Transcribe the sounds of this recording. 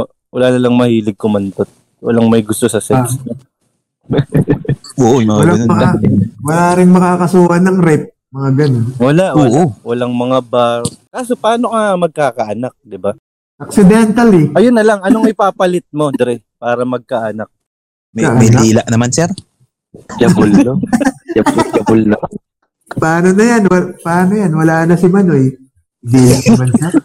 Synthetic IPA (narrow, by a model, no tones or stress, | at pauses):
o | wɐlaːnɐlɐŋmɐhiːlɪɡ̚kʊmɐnt̪ot̪̚ | wɐ̰laŋmɐjɡʊst̪osɐsɛksmo | ʔoːʔojmɐŋawɐɡlaɐnoɐawɐlaːɾɪŋmɐkaːkɐsuːʔɐnɐŋɾɛp̚ | mɐŋaɡɐnonwɐlaʔoːʔowɐlaŋmɐŋabakaːso̞paːno̞kamɐɡ̚kaːkɐʔɐnak̚d̪ɪba | ʔɐk̚sɪd̪ɛnt̪ɐlɛʔɐjonːɐlaŋɐnoŋɪpaːpɐlɪt̪̚mod̪ɾɛ | paːɾɐmɐɡ̚kaʔɐnak̚ | mɐkaʔmɐjnlaiːlɐʔnɐmansɛɾ | d͡ʒɐbʊlːoɐbd͡ʒɐbʊlnɐ | paːnonɐjanwɐpaːnojanwɐlaːnɐsɪmɐno̞j | d̪iːlamansɛɾ